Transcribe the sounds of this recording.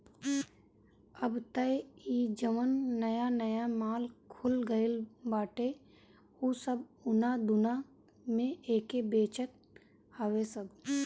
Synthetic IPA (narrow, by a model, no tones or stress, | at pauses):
əbt̪əeiːd͡ʒəmənːəjanəjamaːlkʰʊlɡəɪlbaːʈe | usəbʊnad̪ʊna | mẽʔeːkebeːt͡ʃət̪̚ | aːwesəɡ